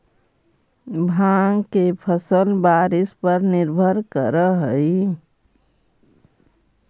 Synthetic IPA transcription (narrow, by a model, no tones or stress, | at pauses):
bʱãːŋɡkepʰəsəlbaːɾɪspəɾnɪɾbʱəɾkəɾəɦəi